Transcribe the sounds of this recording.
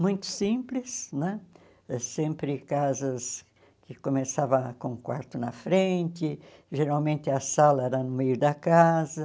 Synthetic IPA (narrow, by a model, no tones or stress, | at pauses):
mũj̃t̪ʊ̥sĩmplɪsnɛ̃ | ɛsẽmpɾɪkazɐs | kɪkomesavɐkõũkwa̰ɾt̪ʊnɐfɾẽnt̪ɪ | ʒeɾawmẽnt̪ɪɐsalɐɛɾɐnʊmejʊd̪ɐkazɐ